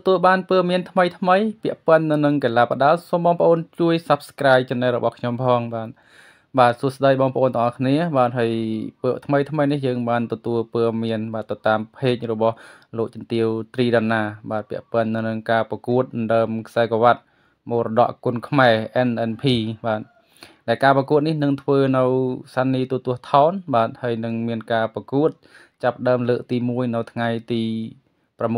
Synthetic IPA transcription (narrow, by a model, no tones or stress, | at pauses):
t̪ɔt̪uəlɓaːnpəːmiənt̪ʰməjt̪ʰməjpĭəʔpənːɨwnɨŋkeːlaːpə̆ɗaəlsomɓɑːŋpə̆ʔoːnt͡ɕuəjsɑp̚skraːjt͡ɕɑnːɛrɔɓɑhkʰɲompʰɑːŋɓaːt̪̚ | ɓaːt̪̚suəhsɗəjɓɑːŋpəʔoːnt̪əŋʔɑhkʰniəɓaːt̪̚ɦaəjpət̪ʰməjt̪ʰməjnihjəːŋɓaːnt̪ɔt̪uəlpəːmiənɓaːt̪ːɨwt̪aːmpʰeːk̚rɔɓɑh | loːk̚t͡ɕɑnt̪iəwt̪riːɗaːnːaːɓaːt̪̚pɛ̆əʔpɔɔənːɨwnɨŋkaːprɑkuət̪̚ɑnɗaəmkʰsaɛkoʋat̪̚ | moːrɔɗɑ̰ʔkʊənkʰmaɛʔɛnʔɛnpʰiːɓaːt̪̚ | ɗaɛlkaːprɑkuət̪̚nihnɨŋt̪ʰʋəːnɨwsaːnːiːt̪uət̪ʊ̆əht̪ʰaɔnɓaːt̪̚haəjnɨŋmiənkaːprɑkuət̪̚ | t͡ɕapːə̆ɗaəmləːk̚t̪iːmuəjnɨwt̪ʰŋajt̪iː | pramː